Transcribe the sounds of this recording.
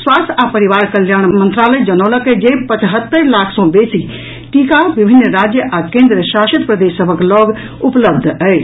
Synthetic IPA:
swast̪ʰapəɾiʋaɾkəljanmənt̪ɾaləjd͡ʒənɔləked͡ʒepət͡ʃɦət̪ːəɾlakʰsɔ̃besi | ʈikabibʱinːɾad͡ʒjəʔakẽnd̪ɾəʃasət̪pɾəd̪esːəbʱəklɔɡ | upləbd̪ʱəɪt͡ʃʰ

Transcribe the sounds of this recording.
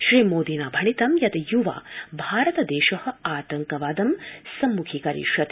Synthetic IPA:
ʃɾiːmoːd̪inaːbʱɐɳit̪ɐmjɐt̪ɐjuʋa̰ːbʱaːɾɐt̪ɐd̪eːʃɐhɐ̆aːt̪ɐŋkɐʋaːd̪ɐmsɐmːukʰikɐɾḭʃɐt̪

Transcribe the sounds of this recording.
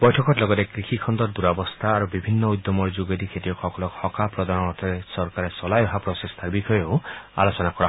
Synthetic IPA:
bɔjʈʰɔkɔtlɔɡɔt̪ekɾikʰikʰɔnd̪ɔɾd̪uɾabɔst̪ʰaːɾubibʱinːɔujd̪jɔmɔɾd͡ʒuɡed̪ikʰet̪iɔkʰɔkɔlɔkhɔkapɾɔd̪anɔɔt̪ʰɔɾesɔɾkaɾesɔlajɔɦapɾɔsest̪ʰaɾbikʰɔjɔoa̰lot͡ʃɔnakɔɾa

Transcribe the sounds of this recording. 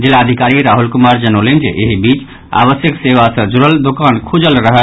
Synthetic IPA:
d͡ʒilaəd̪ʱikaɾiɾaɦulkumaɾd͡ʒənolend͡ʒḛʔeɦibit͡ʃ | a̰βəsjəkseʋasə̃d͡ʒuɾəld̪okankʰud͡ʒəlɾəɦə

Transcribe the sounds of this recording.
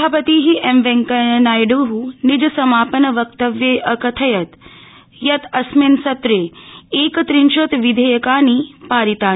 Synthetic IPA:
aːpət̪iːɦiʔemʋẽŋkɐnaːjɽuɦunid͡ʒɐsɐmaːpənɐʋɐk̚t̪ɐʋjeʔɐkɐt̪ʰɐjɐt̪ | jɐt̪ɐsminsɐt̪ɾeːeːkɐt̪ɾinʃɐt̪ʋid̪ʱejɐkaːniːpaːɾit̪aː

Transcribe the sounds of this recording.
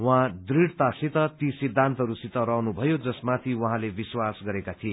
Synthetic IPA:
wɦãd̪riɽt̪asit̪ʌt̪isid̪ʱːant̪ʌɦʌɾusit̪ʌɾʌɦnubʱʌjod͡zʌsmat̪ʰiwʌɦãlebiswasɡʌɾekat̪ʰie

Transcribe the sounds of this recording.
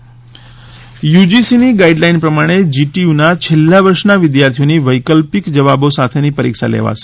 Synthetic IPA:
jud͡ʒisiniɡaiɖlainpɾəmaɽ̃ed͡ʒiʈiunat͡ʃʰelːaʋəɾʃnaʋɪd̪jaɾt̪ʰijoniʋəjkəlpikd͡ʒəʋabosat̪ʰenipəɾḭkʃa̰lḛʋa̰ʃe̥

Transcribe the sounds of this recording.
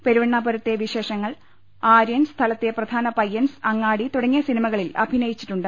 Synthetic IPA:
pe̞ɾuʋɐɳːaːbɐɾɐt̪ːeʋiɕe̞ːʂɐŋːɐɭ | aːɾjɐnst̪ʰɐlɐt̪ːeprɐd̪ʱaːnɐpɐjensɐŋːaːɽit̪uɽɐŋːjɐsinimɐɣɐɭilɐ̰bʱinɐjit͡ɕːi̥ʈːuɳɖɨ

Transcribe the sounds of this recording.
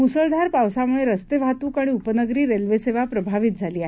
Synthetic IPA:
musəld̪ʱaɾpawsaməɭeɾəst̪eʋʱat̪uːkaɽ̃iupənəɡɾiːɾelʋeseʋapɾəbʱaʋit̪̚d͡zʱaliːaɦ

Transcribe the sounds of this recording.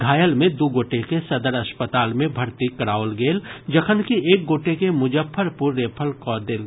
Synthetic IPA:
ɡʱaːjəlmẽd̪uːɡoːʈekesɐd̪əɾɐspət̪aːlmẽbʱɐɾt̪ikɐɾaːʊlɡeːld͡ʒəkʰənkieːk̚ɡoːʈekemʊd͡ʒəpʰːəɾpʊɾːeːpʰəlkɔːd̪el

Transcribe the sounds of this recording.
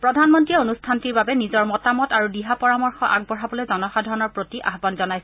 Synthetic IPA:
pɹɔdʱanmɔntɹiɛonustʰantiɹbabɛnizɔɹmɔtamɔtaɹudiɦapɔɹamɔɹxɔʔaɡ̚bɔɹabɔlojzɔnɔxadʱɔɹɔnɔɹpɹotiʔa̰ɦbanzɔnajsɛ

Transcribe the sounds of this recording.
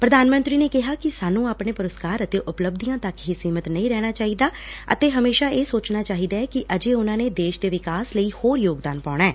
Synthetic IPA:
pɾəd̪aːnmə̃nt̪ɾiːneːkɪɦaːkɪsaːnũːaːpneːpʊɾəskaːɾət̪eːʔʊpləb̚d̪ijãːt̪əkɦiːsiːmət̪nəĩːɾɛːɽ̃aːt͡ʃaːɦiːd̪aː | ə̰t̪eːɦəmeːʃaːeːsoːt͡ʃnaːt͡ʃaːɦiːd̪aːɛːkɪʔəd͡ʒeːʊnãːneːd̪eːʃd̪eːʋɪkaːsləiːhoːɾjoːɡd̪aːnpaːɽ̃ɛː

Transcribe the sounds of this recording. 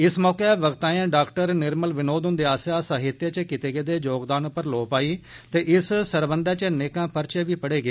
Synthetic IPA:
ɪsmɔːkeɛːʋəɡt̪ãːjãːɖaːkʈəɾnɪɾməlʋɪnoːd̪ɦʊnd̪eːaːsjaːsaːɦɪt̪jaːt͡ʃəkɪt̪eːɡeːd̪eːd͡ʒoːɡd̪aːnpəɾloːpaːiː | t̪eːʔɪssəɾbənd̪ɛːt͡ʃəneːkãːpəɾt͡ʃeːʋiːpəɽeːɡeː

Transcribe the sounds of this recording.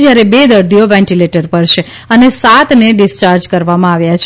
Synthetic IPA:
d͡ʒjaɾebed̪əɾd̪ʱijoʋɛ̃ɳʈileʈəɾpəɾʃe | ənesat̪neɖɪst͡ʃaɾd͡ʒkəɾʋamãaʋjat͡ʃʰ

